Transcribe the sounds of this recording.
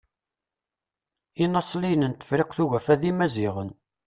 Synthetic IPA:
inɑsˤlijənənt̪ːə̥fɾɪqθuʝæfæðimæziʁən

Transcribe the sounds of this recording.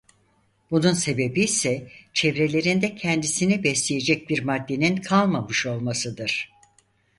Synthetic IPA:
bununse̞be̞biːsɛt͡ʃʰevɾe̞lʲe̞ɾind̪ɛcʰɛnd̪isinibɛslʲeje̞d͡ʒɛc̚biɾmad̪ːe̞ninkʰalˠmamɯʃo̞lˠmasɯd̪ɯɾ̥

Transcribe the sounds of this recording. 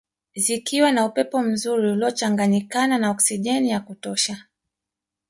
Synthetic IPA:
zikiwanaupɛpɔm̩zuɾiulɔt͡ʃaŋɡaɲikananaɔksiʄɛnijakutɔʃa

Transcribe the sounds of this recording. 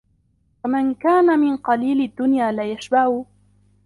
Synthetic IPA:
famankaːnamɪnqɑliːlɪd̪ːʊnjaːlajaʃbahu

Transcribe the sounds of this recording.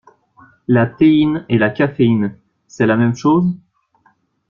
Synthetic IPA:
lat̪einelakʲafein | sɛlamɛmʃoz

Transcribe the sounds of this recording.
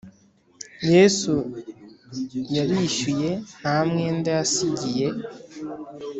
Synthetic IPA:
je̞ːsu | jaɾiʃuje̞hamŋe̞ndaasiɟije̞

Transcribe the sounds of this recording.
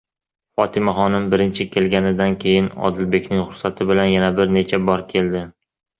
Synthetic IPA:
fɒt̪ʰɪmaχɒnɪmbɪɾɪnt͡ʃʰɪkʲʰe̞lɡʲanɪd̪ankʲʰe̞jɪnɒ̰d̪ɪlbe̞kʲʰnɪŋχʊɾsat̪ʰɪbɪlanjanabɪɾne̞t͡ʃʰabɒɾkʲʰe̞ld̪ɪ

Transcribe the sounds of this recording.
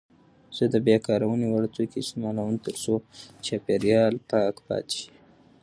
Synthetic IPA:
z̥əd̪əbjekɑɾawəniwaɽt͡sokesimɑlawənt̪əɾsot͡ʃapeɾjɑlpɑkpɑ̰t̪ʃi̥

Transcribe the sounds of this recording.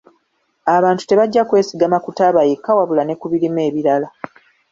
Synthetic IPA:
aβaːntu̥te̞βaɟːakwe̞ːsiɡamakutaβajekːawaβulane̞kuβilime̞ːβiɾala

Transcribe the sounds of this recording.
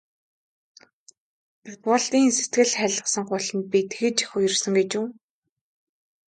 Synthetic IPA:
pʊt̪ʁʊɮt̪iːnset̪̚ɡɘ̆ɮχæɮə̆sə̆ŋɢʊɮɞ̆npit̪xɘ̆t͡ɕixʊj̆rsə̆ŋɡet͡ɕuː

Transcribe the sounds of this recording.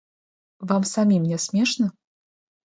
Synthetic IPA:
vamsamʲimnʲɛsʲmʲeʂnɐ

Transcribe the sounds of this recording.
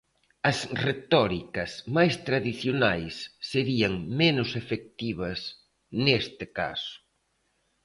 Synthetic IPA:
ɐsret̪ɔɾikɐsmajst̪ɾaðiθjonajsːeɾiɐŋmenʊsefek̚t̪iβ̞ɐs | nest̪ɪka̰sʊ̥

